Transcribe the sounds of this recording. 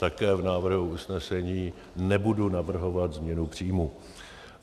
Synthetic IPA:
t̪akɛːvnaːvr̩ɦuusnɛsɛɲiː | nɛbudunavr̩ɦo̞vat̪zmɲɛnupr̝̥iːmu

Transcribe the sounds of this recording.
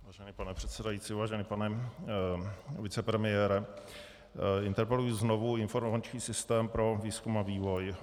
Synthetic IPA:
vaːʒɛniːpanɛpr̝̥ɛt̪sɛdajit͡siːvaːʒɛniːpanɛ | vɪt͡sɛpɾɛmɪjɛːɾɛ | ɪnt̪ɛɾpɛlujizno̞vuɪnfo̞ɾmovat͡ʃɲiːsɪst̪ɛːmpɾo̞viːskumaviːvo̞j

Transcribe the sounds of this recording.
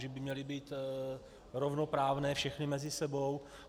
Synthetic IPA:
ʒɛbɪmɲɛlɪbiːt̪ | ɾovnopɾaːvnɛːfʃɛxnɪmɛzɪsɛbo̞w

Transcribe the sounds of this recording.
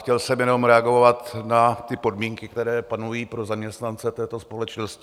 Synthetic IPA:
xcɛlsɛmjɛno̞mɾɛaɡo̞vat̪nat̪ɪpo̞dmiːŋkɪk̚t̪ɛɾɛːpanujiːpɾo̞zamɲɛst̪nant͡sɛt̪ɛːt̪o̞spo̞lɛt͡ʃnoscɪ

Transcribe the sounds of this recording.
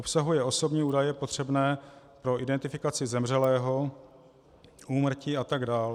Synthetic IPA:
ʔopsaɦujɛo̞so̞bɲiːuːdajɛpot̪r̝̥ɛbnɛː | pɾo̞ʔɪdɛnt̪ɪfɪkat͡sɪzɛmr̝ɛlɛːɦo̞ | ʔuːmr̩ciːat̪aɡdaːl

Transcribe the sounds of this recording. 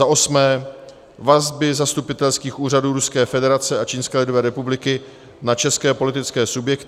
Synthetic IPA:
aʔo̞smɛː | vazbɪzast̪upɪt̪ɛlskiːxʔuːraduːɾuskɛːfɛdɛɾat͡sɛat͡ʃiːnskɛːlɪdovɛːɾɛpublɪkɪ | nat͡ʃɛskɛːpo̞lɪt̪ɪt͡skɛːsubjɛkt̪

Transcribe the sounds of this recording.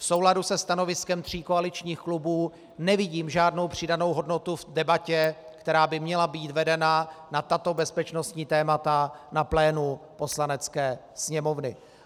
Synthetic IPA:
fso̞wladusɛst̪ano̞vɪskɛmt̪r̝̥iːkoalɪt͡ʃɲiːxklubuː | nɛvɪɟiːmʒaːdno̞wpr̝̥ɪdano̞wɦo̞dno̞t̪uvdɛbacɛkt̪ɛɾaːbɪmɲɛlabiːt̪vɛdɛnanat̪at̪o̞bɛspɛt͡ʃno̞st̪ɲiːt̪ɛːmat̪anaplɛːnupo̞slanɛt͡skɛː | sɲɛmo̞vnɪ

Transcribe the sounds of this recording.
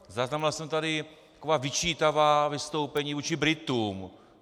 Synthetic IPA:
zaznamɪlasɛmt̪adɪt̪ḁkovaːvɪt͡ʃiːt̪avaːvɪst̪owpɛɲiːvuːt͡ʃɪbɾɪt̪um

